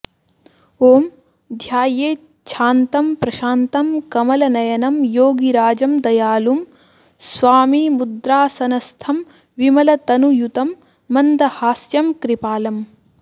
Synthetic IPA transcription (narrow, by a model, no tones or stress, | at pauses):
oːm | d̪ʱjaːjeː | t͡ʃʰaːnt̪ɐmpɾɐʃaːnt̪ɐmkɐmɐlɐnɐjɐnɐmjoːɡiɾaːd͡ʒɐmd̪ɐjaːlum | sʋaːmimud̪ɾaːsɐnɐst̪ʰɐm | ʋimɐlɐt̪ɐnujut̪ɐmː | ɐnd̪ɐhaːsjɐmkɾipaːlɐm